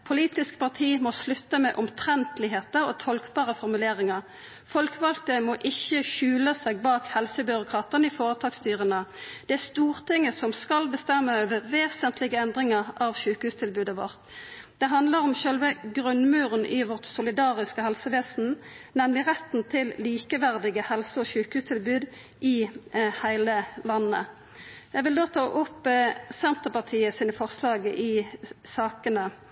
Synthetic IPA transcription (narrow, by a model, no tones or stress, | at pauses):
pʰʊliːt̪ɪskpɑʁt̪ʰiːmɔslʉt̪ːəmɛʔʊmt̪ʰʁɛnt̪lɪɦeːt̪əʁɔt̪ʰɔlkbɑːʁəfɔʁmʉleːʁɪŋɑʁ | fɔlkʋɑlt̪əmɔʔɪçːəçʉːləsɛːɡ̚bɑːkhɛlsəbʏʁʊkʰʁɑːt̪ənəɪfoːʁət̪ʰɑːkst̪yːʁənəd̪̥ɛæst̪uːʁt̪ʰɪŋːəsɔmskɑlbəst̪ɛmːəøːʋəʁʋeːsənt̪ʰlɪɡəɛnd̪ʁɪŋəʁɑʋʃʉːkhʉːst̪ʰɪlbʉːd̪əʋɔ̰ʁt̪ | d̪̥ɛɦɑnd̪ləʁɔmʃœlʋəɡʁʉnmʉːʁənʔɪʋɔʁt̪sʊlɪd̪ɑːʁɪskəhɛlsəʋeːsn̩nɛmlɪʁɛt̪n̩t̪ʰɪlliːkəʋæʁd̪ɪɡəhɛlsəɔːɕʉːkhʉːst̪ʰɪlbʉːd̪ | ʔɪhæɪləlɑnːə̰ | jæɪʋɪld̪oːt̪ʰɑːʔʊpːsɛnt̪əʁpɑʁt̪ʰiːəsiːnəfɔʁslɑːɡəʔɪsɑːkənə